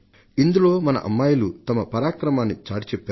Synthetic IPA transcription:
ind̪uloːmɐnɐ̰ʔɐ̰mːaːjɐlut̪ɐmɐpɐɾaːkɾɐmaːnːit͡ʃaːʈit͡ʃɛpːaː

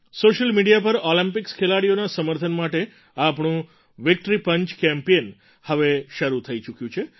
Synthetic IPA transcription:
soʃəlmiɖijapəɾolĩmpɪkskʰelaɽionasəməɾt̪ʰənmaʈe | apɳũ | ʋɪk̚ʈɾipəɲt͡ʃkɛmpeən | həʋeʃəɾut̪ʰəit͡ʃukjũt͡ʃʰe

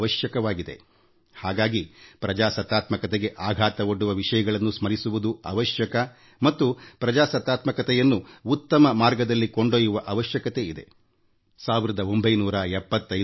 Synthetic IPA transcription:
ɐʃjɐkɐʋaːɡid̪e̞̰ | haːɡaːɡipɾɐd͡ʒaːsɐt̪ːaːt̪mɐkɐt̪eɡe̞ʔaːɡʱaːt̪ɐoɖːuʋɐʋiʂɐjɐɡɐɭɐnːusmɐɾisuʋud̪uɐ̰ʋɐʃjɐkɐ | mɐt̪ːupɾɐd͡ʒaːsɐt̪ːaːt̪mɐkɐt̪ɛjɐnːuːt̪ːɐmɐmaːɾɡɐd̪ɐlːiko̞ɳɖoːjuʋɐʔɐʋɐʃjɐkɐt̪e̞id̪e̞̰ | saːʋiɾɐd̪ɐo̞mbɐjnuːɾɐɛpːɐt̪ːɐj

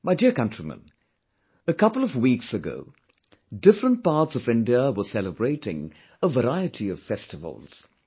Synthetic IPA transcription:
maɪdɪɹkʌ̃ntɹ̥imə̰̃n | ɨkʰʌpl̩ˠʌvwiksɨɡo̰ʊ | dɪfɹə̃nt̚pɑɹtsʌvɪ̃ndiəwə˞sɛlˠəbɹeɪɾɪ̰̃ŋ | əvəɹaɪɨɾʰiʌv̥fɛstɨvə̰l̩ˠz̥

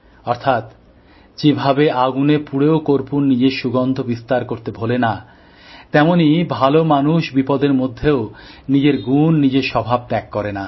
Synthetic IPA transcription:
ɔɾt̪ʰat̪ | d͡ʑebʱabeʔaɡunepuɽeokoɾpunːid͡ʑeʃuɡɔnd̪ʱobist̪aɾkoɾt̪ebʱolena | t̪ɛmonibʱalomanuʃbipɔd̪eɾmod̪ʱːeonid͡ʑeɾɡunːid͡ʑeʃɔbʱab̚t̪ɛkːɔɾena

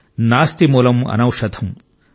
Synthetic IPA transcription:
naːst̪imuːlɐmɐ̰nɐwʂɐd̪ʰʱɐm

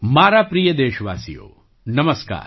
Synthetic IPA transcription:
maːɾaːpɾijɐd̪eːʃɐʋaːsijo̰ː | nɐmɐska̰ːɾ

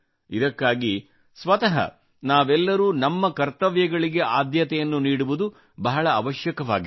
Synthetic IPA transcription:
id̪ɐkːaːɡi | sʋɐt̪ɐɦɐ̰ | naːʋɛlːɐɾuːnɐmːɐkɐɾt̪ɐʋjɐɡɐɭiɡe̞ʔaːd̪jɐt̪ɛjɐnːuniːɽuʋud̪u | bɐɦɐɭɐːʋɐʃjɐkɐʋa̰ːɡi

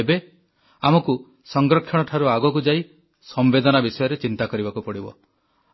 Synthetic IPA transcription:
ebe | amɔku | sɔŋɡɾɔkʰjɔɽ̃ɔʈʰaɾuaɡɔkud͡ʒai | sɔmbed̪ɔnabisɔjɔɾet͡ʃint̪akɔɾibakupɔɽibɔ̰

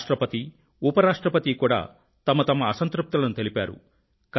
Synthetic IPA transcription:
ʂʈɾɐpɐt̪i | upɐɾaːʂʈɾɐpɐt̪ikuːɽa̰ː | t̪ɐmɐt̪ɐmɐːsɐnt̪ɾup̚t̪ɐlɐnut̪e̞lipaːɾṵ | k

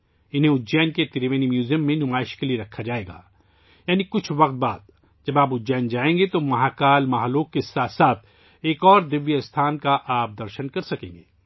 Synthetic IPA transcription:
ɪnɦẽʊd͡ʒɛːnket̪ɪɾeʋeːnimjuːzijəmːẽnʊmaːɪʃkelieɾɐkʰːad͡ʒaːeːɡa̰ː | jaːnikʊt͡ʃʰʋɐq̚t̪̚baːd̪ | d͡ʒɐbaːpʊd͡ʒɛːnd͡ʒaːẽːŋɡet̪omɐɦaːkaːlmaɦloːkːesaːt̪saːt̪ʰ | eːkɔːɾd̪ɪʋːjəst̪ʰaːnkaʔaːp̚d̪ɐɾʃənkɐɾsɐkẽːŋɡeː

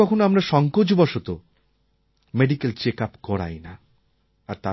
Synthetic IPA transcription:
ɔkʰonoamɾaʃɔŋkod͡ʑbɔʃot̪o | meɖikelt͡ɕekapkɔɽa̰jna | aɾt̪a

